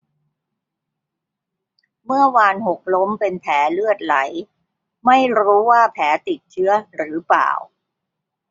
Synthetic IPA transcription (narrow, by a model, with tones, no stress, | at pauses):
mɯ˥˩əwaː˧nho˨˩k̚lo˦˥mpe˧npʰɛː˩˦lɯ˥˩ət̪̚la̰˩˦j | ma˥˩jɾuː˦˥waː˥˩pʰɛː˩˦t̪i˨˩t̪̚t͡ɕʰɯ˦˥ɐɾɯː˩˦pa̰ː˨˩w